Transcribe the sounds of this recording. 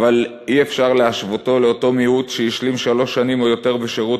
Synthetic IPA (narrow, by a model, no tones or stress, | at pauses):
val | iefʃaʁleaʃvoto̞leoto̞mihutʃejiʃlimʃalo̞ʃːanimo̞jo̞te̞ʁbeʃeʁu